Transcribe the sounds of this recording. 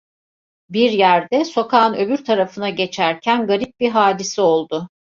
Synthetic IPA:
biɾjæɾd̪ɛso̞kʰaːnø̞byɾt̪ʰaɾafɯnaɟe̞t͡ʃʰæɾcʰænɡaɾip̚biɦaːd̪isio̞lˠd̪ʊ

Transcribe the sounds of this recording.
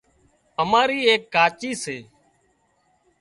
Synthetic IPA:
əmaːɾiːeːkːaːt͡ʃiːseː

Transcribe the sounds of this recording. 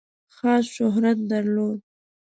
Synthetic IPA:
xɑsʃʊɦɾat̪̚d̪aɾlod̪̚

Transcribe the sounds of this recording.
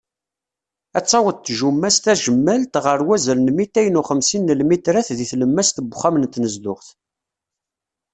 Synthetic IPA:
æt͡sːɑwəd̪t̪ːʒumːæst̪æʒəmːælt̪ʁəɾwæzəɾnmit̪æjənuχəmsinːəlmit̪ɾæθðiθləmːæst̪əbχæmənt̪ːnəzd̪ʊχθ

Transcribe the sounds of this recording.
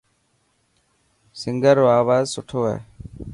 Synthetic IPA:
sɪŋɡəɾːoaːʋaːzsʊʈʰoːɛ̰ː

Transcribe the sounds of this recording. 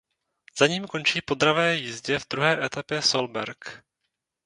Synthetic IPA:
z̥aɲiːmko̞nt͡ʃiːpo̞d̪ɾavɛːjɪzɟɛvd̪ɾuɦɛːʔɛt̪apjɛsolbɛɾk

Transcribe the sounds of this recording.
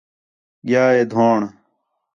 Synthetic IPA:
ɡjaːed̪ʱoːɳ

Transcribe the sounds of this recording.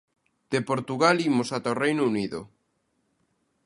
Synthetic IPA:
d̪̥epoɾt̪uɣalimosat̪aorejnouniðʊ̰

